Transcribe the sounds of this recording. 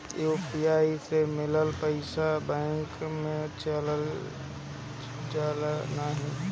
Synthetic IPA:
joːpijaːisemɪləlpəɪsabɛ̃ːŋkmẽt͡ʃələl | t͡ʃalnaɦĩ

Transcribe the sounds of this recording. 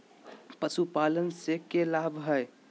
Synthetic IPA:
pəsupalənsekelabɦəj

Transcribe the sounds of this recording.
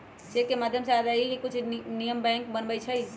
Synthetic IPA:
d͡ʒeːkemaːd̪ʱjəmsealailikʊt͡ʃʰnijəmbɛ̃ːŋkbənbəit͡ʃʰəi

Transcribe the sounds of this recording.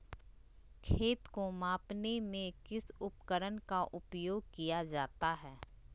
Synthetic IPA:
kʰeːt̪komaːpnemẽkɪsʊpkəɾənkaʔʊpjoːɡ̚kijad͡ʒaːt̪aɦɛː

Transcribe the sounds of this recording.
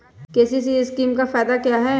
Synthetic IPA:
keːsis̬iɪskiːmkafɛːd̪akjaɦɛː

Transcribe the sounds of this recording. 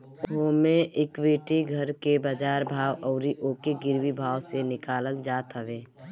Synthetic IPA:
ɦoːmẽʔɪkʋeːʈiɡʱəɾkebəd͡ʒaːɾbʱaːwɔːɾiʔoːkeɡɪɾwibʱaːwsenɪkaːləld͡ʒaːt̪ɦəʋeː

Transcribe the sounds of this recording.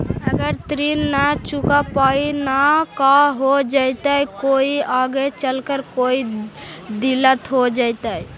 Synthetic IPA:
əɡəɾt̪ɾinːat͡ʃukapainakãɦod͡ʒajt̪ajkoiaɡet͡ʃəlkəɾkoi | d̪ilət̪ɦod͡ʒajt̪əj

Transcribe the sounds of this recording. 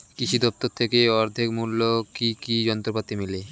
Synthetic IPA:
kit͡ɕʰid̪ɔp̚t̪oɾt̪ʰekeɔɾd̪ʱekmulːokikid͡ʑɔnt̪ɾopat̪ːimile

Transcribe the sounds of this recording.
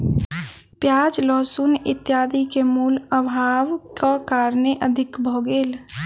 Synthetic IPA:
pjaːd͡ʒlɔːsunɪt̪jaːd̪ikemuːləbʱaːʋkakaːɾneʔəd̪ʱɪkbʱoɡeːl

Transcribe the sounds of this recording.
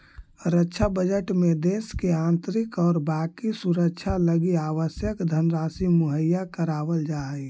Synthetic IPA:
ɾətːʃʰabəd͡ʒəʈmed̪eːskeãːnt̪ɾɪkɔːɾbaːkisuɾəkt͡ʃʰaləɡiaːʋəsjəkd̪ʱənɾaːsimuɦəjːakəɾaːʋəld͡ʒaːi

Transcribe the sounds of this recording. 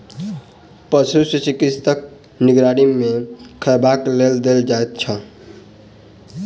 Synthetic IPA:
pət͡ʃʰusət͡ʃikisʰt̪ək̚ | niɡɾaɽimekʰəɾbakleld̪eld͡ʒaet̪̚t͡ʃʰə

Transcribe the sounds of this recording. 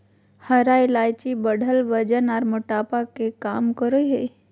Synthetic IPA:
həɾaːilaːjt͡ʃibəɽ̤ʱəlʋəd͡ʒənaːɾmʊʈaːpakekaːmkəɾoiɦe

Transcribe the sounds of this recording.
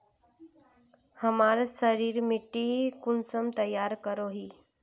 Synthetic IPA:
həmaɾsəɾiːɾmiʈːikunsəmt̪əjːaɾkəɾoɦiː

